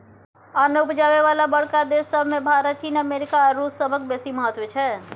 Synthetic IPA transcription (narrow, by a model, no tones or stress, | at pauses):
aːnəwpd͡ʒaːʋeʋaːlabəɽkad̪eːsːəbʱmẽbʱaːɾət̪̚t͡ʃiːnəmeːɾɪkaɾuːsəbəkbeːsiməɦət̪ʋət͡ʃʰɛː